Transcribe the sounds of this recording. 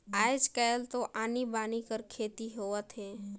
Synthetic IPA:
aːjd͡ʒkəlt̪oʔaːnibaːnikəɾkʰeːt̪iɦoːət̪ɦɛː

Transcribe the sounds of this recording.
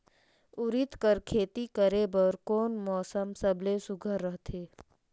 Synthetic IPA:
ʊɾɪt̪kəɾkʰeːt̪ikəɾebɔɾkoːnmɔːsəmsəblesʊɡʱəɾːəɦt̪ʰeː

